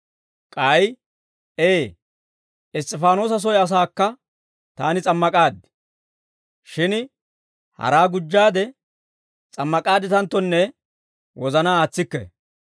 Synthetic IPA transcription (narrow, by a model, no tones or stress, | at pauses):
kʼɐj | eː | ɪst̪ʼːɛfaːno̞ːs̬ɐs̬ɔjɐs̬aːkːɐ | t̪aːnɪt͡sʼɐmːɐkʼaːd̪ɪ | ʃɪn | hɐ̰ɾaːɡʊd͡ʒːaːd̪ɛ | t͡sʼɐmːɐkʼaːd̪ɪt̪ɐnt̪ːɔnːɛ | wɔzɐnaːaːt͡sːɪkːɛ̰